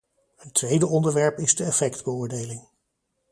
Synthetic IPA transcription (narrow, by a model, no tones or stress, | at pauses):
ətʋejdəʔɔndəɹʋɛɹpɪzdəɛfɛkdbəʊːɹdejlɪŋ